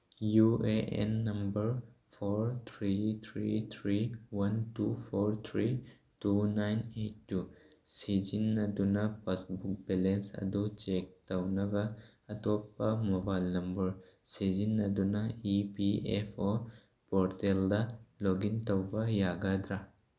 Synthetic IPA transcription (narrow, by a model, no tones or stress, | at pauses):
jueʔḛnːɐmbɐɾ | fʰoːɾt̪ʰɾit̪ʰɾiːt̪ʰɾiːwɐntuːfoɾt̪ʰɾiː | tunajnetːu | sid͡ʒinːɐd̪unɐpasbuk̚bɛlensɐ̰d̪ot͡ʃeːk̚t̪ɐwnɐɡɐ | ɐt̪oːpːɐmɔbajlnɐmbɐɾsid͡ʒinːɐd̪unɐipiefo | poɾt̪eld̪ɐloɡint̪ɐwbɐjaːɡad̪ɾɐ